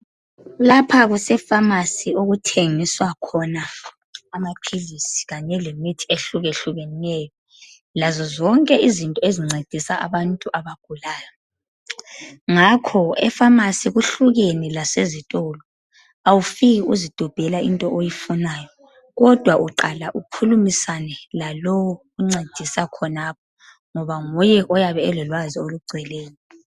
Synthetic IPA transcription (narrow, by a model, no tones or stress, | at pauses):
lapʰaɣusɛfamasioɣutʰeŋiswakʰɔnaː | mapʰilisi̥ɣaɲɛlemitʰi̥eɬuɣeɬuɣeniɛjɔ | lazɔzɔŋkʼɛʔizintʼɔeziŋ͡ǀed̥ʱisaʔa̰βantʼuʔaβaɡ̥̚ʱulaːja | ŋakʰɔɛ̰famasiɣuɬuɣenilasezitʼɔlɔ | awufiɣiuzid̥ʱɔb̥ʱɛlaʔintʼɔʔojifunaːjɔ | ɣɔd̥ʱwaʔuǃalaʔukʰulumisanɛlalɔwɔ | uŋ͡ǀed̥ʱisakʰɔnap̚ʰɔ | ŋɔβaŋɔjɛʔɔjaβɛːlɔlwazioluɡ͡ǀʱɛleːjɔ